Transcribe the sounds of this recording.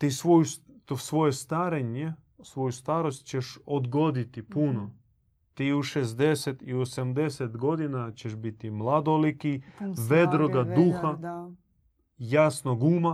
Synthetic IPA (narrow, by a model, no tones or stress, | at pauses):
t̪isʋojust̪osʋo̞jest̪aɾeɲe | sʋo̞just̪aːɾo̞st̪t͡ʃeʃod̪ɡo̞d̪it̪ipuno | t̪iːuʃezd̪eset̪iuosamd̪eset̪ɡo̞d̪inat͡ɕeʃbit̪imlˠad̪olikiʋe̞d̪ɾoɡad̪uxa | jasnoɡuːma